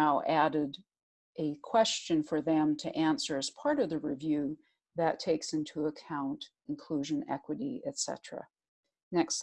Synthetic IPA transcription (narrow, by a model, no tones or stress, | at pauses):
aʊʔæɾɪɾ | ʔɨkʰw̥ɛst͡ʃɨ̃nfə˞ðɨ̃mtʰɨʔæ̃nsə˞ɨz̥pʰɑɹɾʌvðɨɹivjʉ | ðɨtʰeɪksɪ̃ntʰuəkʰãʊ̃nt | ɨ̃nkʰl̥uʒɨ̃nɛ̰kwɨɾiɨtsɛ̰t͡ʃɹ̥ɨ̰ | nɛks